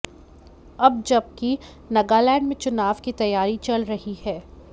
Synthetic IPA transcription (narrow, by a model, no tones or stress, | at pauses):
ɐb̚d͡ʒɐb̚ki | nɐɡalɛ̃ːɳɖmẽt͡ʃʊnaːʋkit̪ɐjːaːɾit͡ʃɐlɾɐɦihɛː